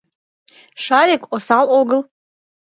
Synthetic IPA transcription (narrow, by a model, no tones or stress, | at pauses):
ʂaɾikʷʼosalʔoɡɨl